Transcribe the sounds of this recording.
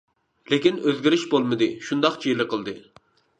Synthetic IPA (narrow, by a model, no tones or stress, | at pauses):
lekʲinøzɡʲiɾɪʃbolˠmɨd̪ɨʃund̪ɑqt͡ʃʰijlˠəqʰəlˠd̪ɨ